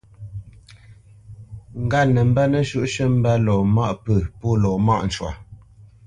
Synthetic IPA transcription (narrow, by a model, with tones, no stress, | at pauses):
ŋ̩˨ɡa˦nə˨m̩˦bɛ˦nə˦ʃu˦˨ʔʃə˦m̩˦bɛ˦lɔː˨ma˦ʔpə˦˨po˦˨lɔː˨ma̰˦ʔn̩˨t͡ʃwa̰˨